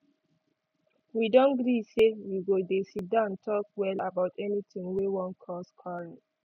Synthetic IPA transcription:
widɔ̃nɡɹisewiɡodesit̚dãntʰɔkwɛlabaʊtɛnitĩŋwewɔ̃nkʰɔskʰɔɹĩn

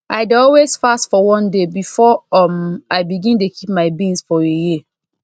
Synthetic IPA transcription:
ʔaɪdɔlwez̥fastfɔwɔ̃ndebifɔɔmaɪbiɡĩnt̬okʰip̚maɪbĩnsfɔeji

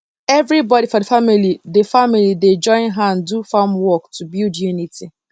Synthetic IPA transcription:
ɛvɾibɔɾifɔdefamilidefamilided͡ʒɔ̃ɪ̃nɦãndufamwɔktubildjuniti

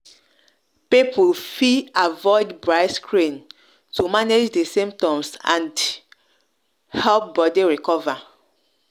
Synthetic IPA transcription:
pipʰufiavɔɪdbɹaɪskʰɹĩn | tumaned͡ʒdəsĩmp̚tɔ̃msã̰nd | hɛlp̚bɔdiɹikɔva

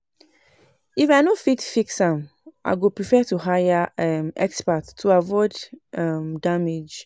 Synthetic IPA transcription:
ifaɪnofitfiksãm | ʔa̰ɪɡopɹifɛtuɦajaɛmɛ̰kspatʰːuavɔɪdɛmdamed͡ʒ

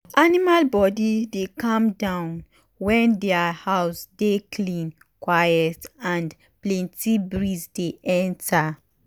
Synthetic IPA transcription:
ʔanimalbɔdidekɔ̃mdãʊ̃n | wɛ̃ndɛahaʊsdekʰlĩn | kwajɛtãnd | plɛ̃ntibɹizdeʔɛ̃ntʰa

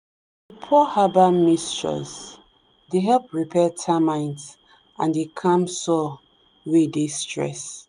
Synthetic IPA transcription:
əpʰɔhabamist͡ʃɹɔ̰z | deɦɛlpɹipʰɛtʰamãɪ̃ndz | ãndekʰãmsɔ | wedestɹɛ̰s

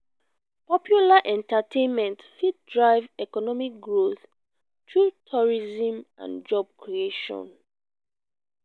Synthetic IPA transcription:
pɔpjulaʔɛ̃ntatʰẽnmɛ̃ntfit̚dɹaɪvɛkɔnɔmik̚ɡɹoθ | tɹutʰɔɹizĩmʔã̰nd͡ʒɔb̚kʰɹieʃɔ̰̃n

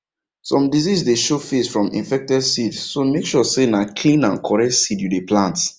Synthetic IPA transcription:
sɔ̃mdizisdeʃofesfɹɔ̃mḭ̃nfɛk̚tɛdsidsomekʃɔsenakʰlĩnãnkʰɔɹɛk̚tsidjudeplãnt

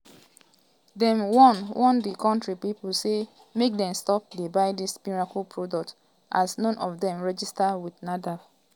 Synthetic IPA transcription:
dɛ̃mwɔnwʔɔ̃ndikɔ̃ntɹipipul̩se | mek̚dɛ̃mstɔp̚debaɪdismiɹakulpʰɹodɔk̚t | ʔasnɔ̃nʔɔfdɛ̃mɹɛd͡ʒistawidnadaf

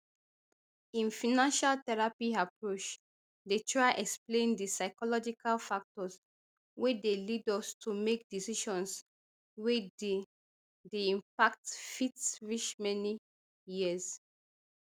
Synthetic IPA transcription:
ĩnfinãnʃaltɛɹapiapɹot͡ʃ | detɹaɪʔɛksplẽndisaɪkɔlɔd͡ʒikʰalfak̚tɔs | wedelidɔstʰumek̚disiʃɔ̃ns | wed | deĩmpak̚tfitsɹiʃmɛni | jiəs

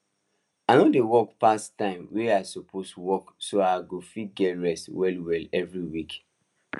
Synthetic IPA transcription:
anodewɔkpastãɪ̃mweaɪsopʰoswɔksoaɪɡofiɡɛɹɛswɛlwɛlɛvɹiwik

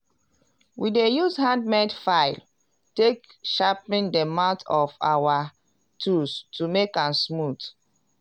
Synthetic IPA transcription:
widejuzhãndmɛ̃dfaɪl | tek | ʃapĩndəmãʊtʰɔfa̰wa | tʰustumekãnsmut

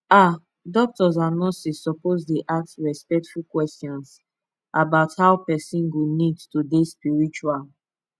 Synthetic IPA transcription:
a | dɔk̚tɔzanɔsisːɔpozdeʔaksɹɛspɛk̚tfulkwɛstjɔ̃ns | ʔabaʊthaʊpɛsĩnɡunidtudespiɹit͡ʃual

